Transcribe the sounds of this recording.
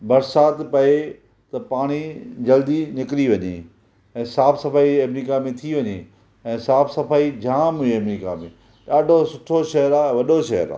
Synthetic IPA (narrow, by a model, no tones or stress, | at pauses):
bɐɾsaːt̪pɐe | t̪ɐpaːɽ̃id͡ʑɐld̪inɪkɪɾiʋɐɲḛ | ɛ̃ːsaːfsɐfaːiɐmɾiːkamẽt̪ʰiʋɐɲe | ɛ̃ːsaːfsɐfaːid͡ʑaːmɦʊeɐmɾiːka̰mḛ̃ | ɗaːɖʱosʊʈʰoʃɐɦəɾaːʋɐɗoʃɐɦə̰ɾa̰ː